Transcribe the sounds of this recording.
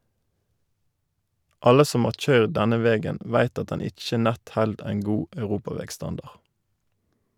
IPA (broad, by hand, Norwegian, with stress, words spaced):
ˈɑlə ˈsɔm ˈhɑːʁ ˈc͡çœʏʁd ˈdɛnə ˈʋɛɡən ˈʋæɪt ˈɑt ˈdɛn ˈɪc͡çə ˈnɛt ˈhɛld ˈæɪn ˈɡuː ɑʉˈʁuːpɑˌʋɛɡˌstɑndɑʁ